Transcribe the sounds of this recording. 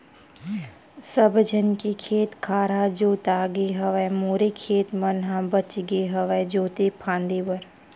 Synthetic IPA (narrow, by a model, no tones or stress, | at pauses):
səbd͡ʒʱənkikʰeːt̪kʰaːɾad͡ʒoːt̪aːɡeɦɐʋɛmoːɾekʰeːt̪mənɦãbət͡ʃɡeɦəʋɛd͡ʒoːt̪ipʰãːnd̪ibəɾ